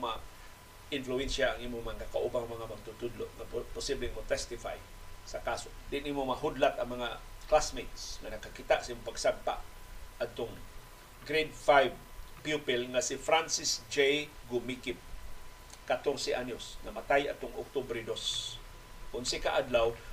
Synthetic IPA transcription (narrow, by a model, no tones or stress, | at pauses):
ma | ɪnflʊɛnʃaːŋʔimʊmaŋkakaʔubaŋmɐŋamaɡ̚t̪ʊt̪ʊd̪loʔŋapʊsiblɪŋmʊt̪ɛst̪ɪfaj | sakasod̪ɪʔɪnʔimomɐɦʊd̪lat̪ɐŋmɐŋaklasmet̪sŋanɐɡ̚kakɪt̪aʔsaʔimopaɡsaɡ̚pa̰ʔ | ad̪̚t̪oŋ | ɡɾed̪̚fajvpjupɪlŋasɪfɾansɪsd͡ʒejɡʊmikɪb̚ | kat̪oɾsɪʔanosnamat̪ajʔa̰d̪̚t̪oŋo̰k̚t̪obɾɪd̪os | kʊnsɪka̰ʔad̪law